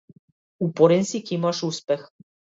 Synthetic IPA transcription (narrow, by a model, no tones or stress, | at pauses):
upoɾensikimɑʃuspex